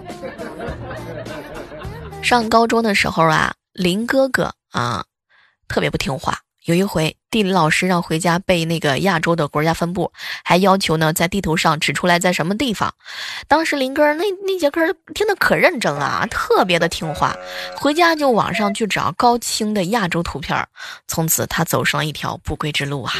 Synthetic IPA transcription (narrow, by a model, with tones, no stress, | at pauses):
ʂɑ˥˩ŋkɑ˥ʊʈ͡ʂo˥ʊd̪ə˨ʂɻ̩˧˥xo˥˩ʊɐ̰˩ | li˧˥nkɤ˥kɤ̰˨˩ | ɐ̰˧˩ | t̪ʰɤ˥˩pjɛ˧˥pu˥˩t̪ʰi˧˥ŋxwa̰˥˩ | jo˨˩ʊi˧˥xwe˧˥ɪt̪i˥˩li˧˥lɑ˨˩ʊʂɻ̩˥ɻɑ˥˩ŋxwe˧˥ɪt͡ɕja˥pe˥˧ɪna˥˩ɡə̰˩ja˥˩ʈ͡ʂo˥ʊd̪ə˨kwɔ˧˥t͡ɕja˥fə˥npu˥˩xa˧˥ɪjɑ˥ʊt͡ɕʰjo˧˥ʊnə˧t͡sa˥˧ɪt̪i˥˩t̪ʰu˧˥ʂɑ˥˩ŋʈ͡ʂɻ̩˨˩ʈ͡ʂʰu˥la˧˥ɪt͡sa˥˩ɪʂə˧˥nmə˧t̪̬i˥˩fɑ̰˩ŋt̪ɑ˥ŋʂɻ̩˧˥li˧˥nkɤ˥˧ne˥˩ne˥˩t͡ɕjɛ˧˥kʰə˥t̪ʰi˥ŋd̪ə˨kʰɤ˨˩ɻə˥˩nʈ͡ʂə˥˩ŋlə̰˨˩˨t̪ʰɤ˥˩pjɛ˧˥d̪ə˧t̪ʰi˥ŋxwa̰˥˩xwe˧˥ɪt͡ɕja˥t͡ɕjo˥˩ʊwɑ̰˨˩ŋʂɑ˥˧ŋt͡ɕʰy˥˩ʈ͡ʂɑ̰˨˩ʊkɑ˥ʊt͡ɕʰi˥ŋd̪ə˨ja˥˩ʈ͡ʂo˥ʊt̪ʰu˧˥pʰjɑ̰˥˩t͡sʰʊ˧˥ŋt͡sʰɹ̩˨˩t̪ʰa˥t͡so˨˩ʊʂɑ˥˩ŋlə˧i˥˩t̪ʰjɑ̰˧˥ʊpu˥˩kwe˥ɪʈ͡ʂɻ̩˥˧lu˥˩ɐ˩